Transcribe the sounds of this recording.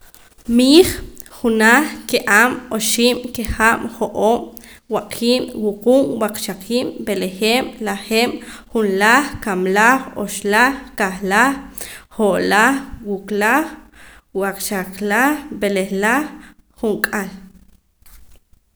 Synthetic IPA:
miːχχunaχkeʔaːmoʃiːmkeχamχoʔoːm | waqʰiːmwuquːmwaqʃaqʰiːmbelexeːm̰laχeːm̰χunlaχkamlaχo̰ʃlaχkaχlaχː | oʔlaχwuklaχ | waqʃaqlaχbeleχlaχː | uŋkʼal

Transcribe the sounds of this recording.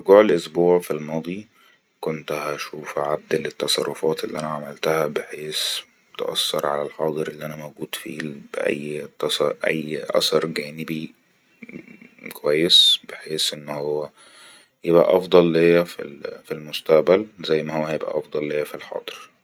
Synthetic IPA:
ʔɾɡuːʕelʔosbuːʕfilmɑːd̪ˤi | kont̪hæʃuːfʕad̪ːælet̪ːɑsˤɑ̰rˤːofɑːt̪elːiʔænæʕamælt̪æhæbeħeːs | t̪ʔɑ̰sːɑɾˤʕa̰lælħɑːd̪ˤɨɾʔelːiʔænæmæwɡuːd̪fḭb̥ʔæ̰jːt̪sʔæ̰jːʔæ̰sɑɾˤɡæːnɪbi | kowæjːesbeħeːsʔenːhowːæ | jebʔæ̰ʔɑfd̪ˤɑlːejːæfilfilmʊst̪æʔbælzæjːmæhowːæjebʔæ̰ʔɑfd̪ˤɑlːejːæfilħɑ̰ːd̪ˤɨɾ

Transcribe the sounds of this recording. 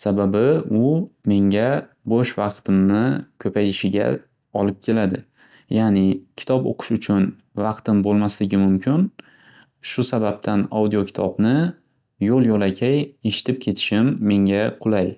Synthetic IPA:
sababɪʊme̞ŋʲa | boʃvɑqt̪ʰɪmnɪkʲʰɵpʰajɪʃɪɡʲa̰ | ɒlˠɪp̚kʲʰe̞lad̪ɪ | janɪkʲʰɪ̥t̪ʰɒpo̰qʰʊ̥ʃʊt͡ʃʰʊn | vɑqt̪ɪmbolˠmaslɪɡʲɪmʊmkʰʲɪn | ʃʊsabap̚t̪ʰanawd̪ijokʲʰɪ̥t̪ʰɒbnɪ | jolˠjolakʲʰaje̞ʃɪ̥t̪ʰɪp̚kʲʰe̞t̪ʰɪ̥ʃɪmːe̞ŋɡʲaqʰʊlˠaj

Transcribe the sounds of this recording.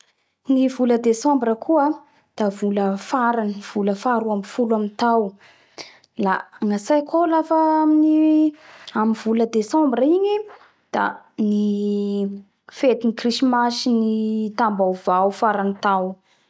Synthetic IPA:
nivuləd̪esɔ̃mbɾəkʰuə | d̪̥avuləfaɾaniv̥uləfaɾuamifuluamint̪aw | laŋasajkolafaamini | amivuləd̪esɔ̃mbrəiɲi | d̪̥a̰ni | fet̪inikrisimasinit̪ambawvawfaɾanit̪aw

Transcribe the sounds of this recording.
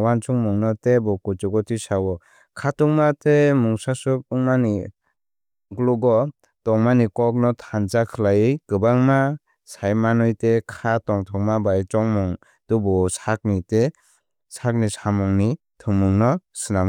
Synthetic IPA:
want͡ʃʰuŋmuŋnɔtebɔkut͡ʃɔɡɔtʰisawɔ | kʰatɔŋmatemuŋsasup̚ɯŋmani | ɡluɡɔ | tɔŋmanikɔk̚nɔtʰant͡ʃakʰɯlajikɯbaŋma | sajmanɔjtekʰatɔŋtʰɔŋmabajt͡ʃɔŋmɔŋ | d̥ubɔsak̚nite | sʰak̚nisamɔŋni | tʰɯŋmuŋnɔsɯnam

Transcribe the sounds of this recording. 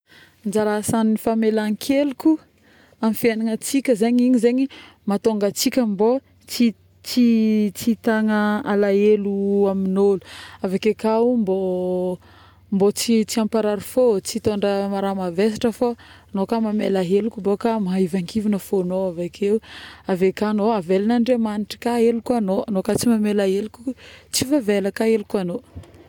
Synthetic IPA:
nd͡ʒaɾasanifamelaŋkʰeluku | amifianaŋət͡sikʲəzeɲiɲizeɲi | mat̪oŋɡat͡sikʲəmbo | t͡si | t͡sit͡sit̪aŋəalaeluaminolu̥avakekambo | mbot͡sit͡siampaɾaɾifot͡sit̪oɳɖ͡ʐəmaɾamaves̬ḁʈ͡ʂəfa | nokamamelaɦelukubokamaɦaivaŋkivinəfonoavakʰeuavekanoavelinaɳɖ͡ʐemaniʈ͡ʂə̥kaelukuanoanokat͡simamelaɦelukʲut͡sivavelakaelukano

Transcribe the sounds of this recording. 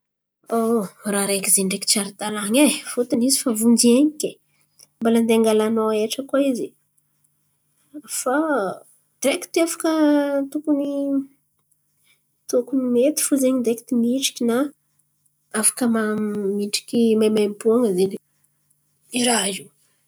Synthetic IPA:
oɾaɾekizenɖ͡ʐeki̥t͡ʃaɾit̪alaŋefut̪anizifavund͡ʒieɲikʲe | mbaland̪eaŋɡalanoeʈ͡ʂəkoizi | fa | d̪eki̥t̪afḁkət̪ukuni | t̪ukunimet̪i̥fuzeɲid̪eki̥t̪imiʈ͡ʂi̥kʲina | afḁkəmamiʈ͡ʂi̥kʲimamampuaŋəzeni | iɾaɦi

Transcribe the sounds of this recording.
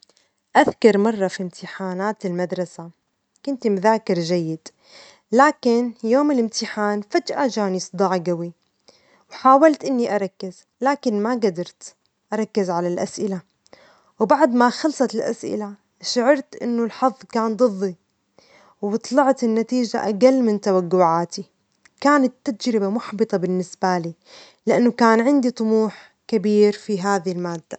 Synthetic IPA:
ʔaðkɑɾˤmɑrˤːɑfimt̪ʰɪħaːnaːt̪ɪlmad̪ɾˤɑsa | kʊnt̪imʊðaːkɪɾʒajːɪd̪̥ | laːkɪnjoːmɪlɪmt̪ɪħaːnfad͡ʒʔad͡ʒaːnɨsˤd̪ˤɑːʕɡawi | wħaːwalt̪ʔɪnːiʔaɾˤɑkːɪz̥ | laːkɪnmaɡad̪ɑɾˤt̪ | ʔaɾˤɑkːɪzʕalalʔasʔɪla | wbaʕd̪maxɑlsˤɑt̪ɪlʔa̰sʔɪ̰la | ʃaʕɑɾˤt̪ʔɪ̰nːʊlħɑðˤːkaːnd̪ˤɨðˤːi | wbɨt̪ˤlɑʕt̪ɪnːat̪iːd͡ʒa̰ʔaɡalːmɪnt̪awaɡːʊʕaːt̪i | kaːnat̪ːad͡ʒɾɪbamʊħbɨt̪ˤɑbɪnːɪsbaliː | lɪʔanːʊkaːnʕɪnd̪it̪ˤʊmuːħ | kabiːɾfiɦaːðilmaːd̪ːa

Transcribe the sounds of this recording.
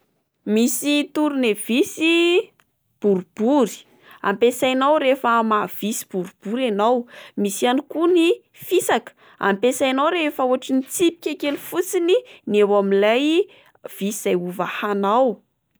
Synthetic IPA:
misit̪uɾunev̥isi | b̥uɾub̥uɾi̥ | a̰mpesajnawɾefəmav̥isi̥b̥uɾub̥uɾanawmisianikuni | fisakə̥ | a̰mpesajnawɾefauaʈ͡ʂinit͡sipi̥kʲakelifut͡sininewamilaj | v̥isiz̥ajuvahanaw

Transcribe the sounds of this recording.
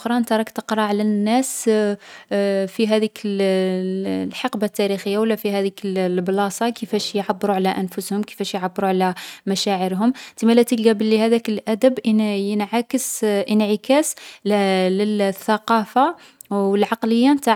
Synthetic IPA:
ɾˤɑʔnt̪ɑɾˤɑkt̪əqɾˤɑʕlænːæs | fiɦæd̪ikə | lħɑqbat̪ːæɾixəjːawəlːæfihæd̪ikəllblɑsˤɑkəfæʃjʕabːɾuʕlæʔənfʊshʊmkə̥fæʃjʕabːɾuʕlæmæʃæʕəɾɦʊmt̪əmælæt̪ilɡæbəlːihæd̪ækəlʔæd̪əbjənʕakəsʔənʕəkæs | ləlθːɑqɑfa | wəlʕɑqləjːant̪a

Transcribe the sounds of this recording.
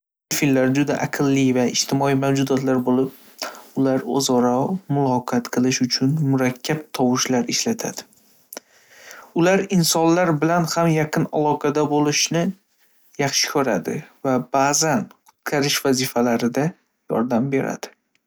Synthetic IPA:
fillːaɾd͡ʒʊd̪aʔaqʰɨlːɪvaɪʃt̪ʰɪmɒijmawd͡ʒʊd̪ɒt̪laɾbolɪp̚ | ʊlaɾo̰zɒɾɒmʊlˠɒqʰɑt̪qʰɨlˠɪʃʊt͡ʃʰʊnmʊɾakʲʰːap̚t̪ʰɒwɪʃlaɾɪʃlat̪ʰa̰d̪̥ɪ | ʊlaɾɪnsɒnlaɾbɪlanhamjɑqʰɨna̰lˠɒqʰɑd̪abolɪʃnɪ | jɑχʃɪ̥kʲʰɵɾad̪ɪvab̥azanqʰʊ̥t̪̚kʲʰaɾɪʃvazɪfalaɾɪd̪a | jɒ̰ɾd̪ambe̞ɾa̰d̪̥ɪ

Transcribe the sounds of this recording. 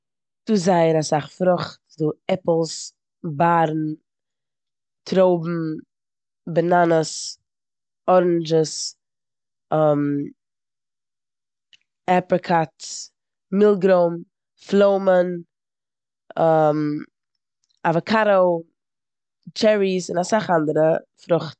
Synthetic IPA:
d̥uːzaɪəɾasaχfɾʊχtduːɛpl̩ˠs | baːɾn̩ | tʰɾoʊbm̩ | bənanəs | ɔɾnd͡ʒəs | ɔm | ɛpɾəkʰats | mɪlˠɡɾoʊm | flˠoʊmən | ɛm | avəkʰaɾoʊ | t͡ʃɛɹisɪnasaχandəɾəfɾʊχt

